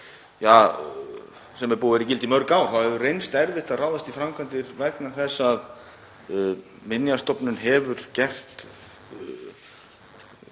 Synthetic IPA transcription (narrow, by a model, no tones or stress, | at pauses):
jaː | sɛmːɛpuːɪɾicɪlt̪imœɾkaːwθawhɛvʏrejnst̪ɛɾvɪht̪aðraːwðast̪ifɾamkʰant̪ɪɾvɛknaθɛsːað | mɪnjast̪ɔpnʏnɦɛvʏɾ̥cɛr̥t̪